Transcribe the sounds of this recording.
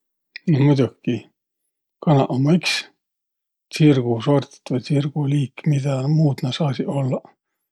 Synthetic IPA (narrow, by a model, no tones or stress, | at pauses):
nihmud̪ʲukːi | kɑnɑ̰ʔomːɑiks | t͡sirɡ̥usort̪ʲi̥t̪ːvɤjt͡sirɡ̥uliːkːmid̪̥ɑmuːd̪nɑsɑːsiʔolːɑ